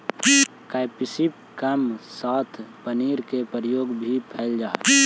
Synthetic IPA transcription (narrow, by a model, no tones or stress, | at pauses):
kaɪpisip̚ | kəmsaːt̪ʰpəniːɾkepəɾjoːɡbʱipʰɛːld͡ʒaːe